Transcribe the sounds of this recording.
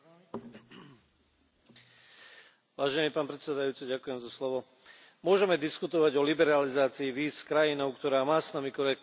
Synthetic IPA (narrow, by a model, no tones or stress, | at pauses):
ʋaːʒɛniːpaːnpɾɛt̪sɛd̪ajuːt͡siɟakujɛmzaslɔʋɔ | mʊɔʒɛmɛd̪iskut̪ɔʋaɟɔlibɛɾalizaːt͡siːʋiːskɾajinɔʊkt̪ɔɾaːmaːsnamikt̪ɔɾɛ